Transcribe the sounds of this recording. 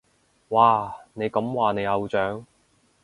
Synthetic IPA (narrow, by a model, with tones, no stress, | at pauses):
waː˨˩ne˨˧jkɐ˨˥mwaː˨ne˨˧jɐ˨˧wt͡ʃœː˨˥ŋ